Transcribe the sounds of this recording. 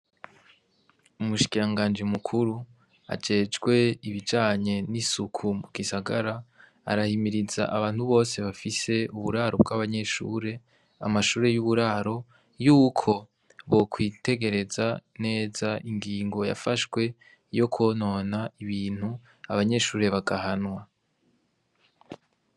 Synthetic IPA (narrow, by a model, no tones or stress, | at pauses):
umuʃi̥kiɾaŋɡaːnd͡ʒimukʰuɾu | a̰d͡ʒe̞ːd͡ʒɡwe̞iβid͡ʒaːɲe̞nisukʰumuɡ̥isaɡaɾa | a̰ɾahimiɾiza̰ʔaβaːnhuβo̞ːse̞βafise̞uβuɾaːɾob̚ɡaβaɲe̞ʃṵːɾe̞ | a̰maʃuːɾe̞juβuɾaːɾo̞ | juːkʰo̞ | βo̞kwiːte̞ɡe̞ɾe̞zane̞ːzaʔiŋɡiːŋɡo̞ja̰faʃɡwe̞ | jo̞kʰono̞naiβiːn̥hu | aβaɲe̞ʃuːɾe̞βaɡaɦanwa